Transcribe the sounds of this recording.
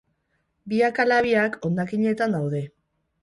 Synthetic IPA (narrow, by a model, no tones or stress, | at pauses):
biakalaβiako̞nd̪akiɲe̞t̪and̪awðe̞